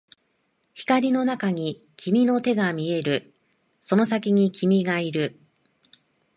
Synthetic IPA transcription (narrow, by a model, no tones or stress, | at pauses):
çi̥kaɾʲino̞nakaɲ̟i | kʲʰimʲino̞t̪e̞ɡamʲie̞ɾɯ̟ | so̞no̞sak̬ʲiɲ̟ikʲʰimʲiɡaiɾɯ̟